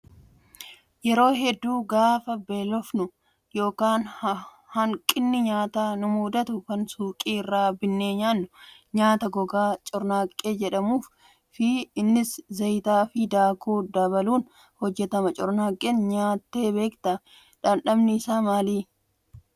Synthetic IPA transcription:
jɛɾo̞ːɦɛd̪ːuːɡaːfɐbe̞ːlɔfnʊ | jo̞ːkaːn | hɐŋkʼɪnːɪɲaːt̪aːnʊmuːd̪ɐt̪ʊkɐnsuːkʼiːɪrːaːbɪnːeːɲaːnːʊ | ɲaːt̪ɐɡɔɡaːt͡ʃʼɔɾnaːkʼːe̞ːd͡ʒɛᶑɐmuːf | fɪɪnːɪszɐjt̪aːfɪd̪aːkuːd̪ɐbɐluːn | hɔd͡ʒːɛt̪ɐmɐt͡ʃʼɔɾnaːkʼeːnɲaːt̪ːeːbe̞ːkt̪ɐ | ᶑɐnᶑɐmnɪːsaːmaːliː

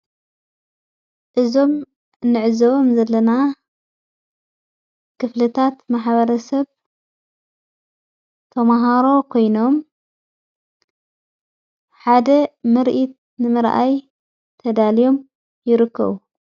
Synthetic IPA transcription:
ʔɨzo̞m | nɨʕɨzɐβomzɐlːɐna | kʰɨflɨt̪ʰat̪maħβɐɾɐsɐβ | t̪ʰɐmaɦaɾo̞kʰo̞jno̞m | ħad̪ɐmɨɾʔit̪̚ | nɨmɨɾʔa̰j | t̪ʰɐd̪alijo̞m | jɪɾɨkʰːɐ̰βu

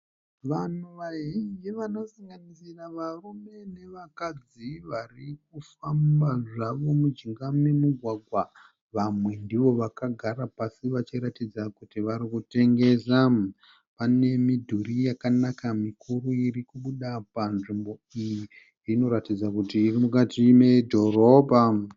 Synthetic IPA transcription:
ʋanuʋaɦid͡ʒiʋano̞saŋɡanisiraʋarume̞ne̞ʋakad͡ziʋarik̚ufambaʐaʋo̞mud͡ʒiŋɡame̞muɡʱwaɡʱwa | ʋamwe̞ndiʋo̞ʋakaɡʱaɾapasiʋat͡ʃiɾatid͡zakutiʋaɾikute̞ŋɡe̞za | pane̞midʱurijakanakamikʰuɾuirikuɓuɗapanʐimbo̞iji | rino̞ɾatid͡zakutiːrimukatime̞dʱo̞ro̞ːbʱa

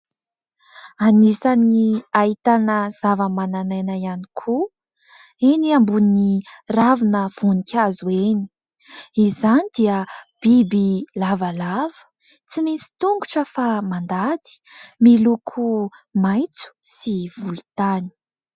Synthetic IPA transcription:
anisaniait̪anəz̥avəmananajnajanikʰu | eniambuniravinəv̥unikʲʰazueni̥ | izanid̪̥iəb̥ibilavəlavə̥ | t͡simisi̥t̪uŋɡuʈ͡ʂəfamand̪ad̪i̥milukʰumajt͡su̥siv̥ulu̥t̪ani̥

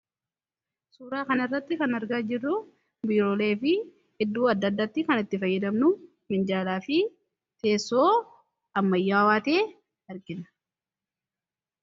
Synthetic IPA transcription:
suːɾaːkɐnɐɪrːɐt̪ːɪkɐnɐɾɡaːd͡ʒɪrːʊ | biːɾoːle̞ːfɪ | hɪd̪ːuːɐd̪ːɐd̪ːɐt̪ːɪkɐnɪt̪ːɪfɐjːɐd̪ɐmnʊ | mɪnd͡ʒaːlaːfɪ | t̪e̞ːsːoː | ɐmːɐjːaːwaːt̪eː | ɐɾɡɪnɐ̥

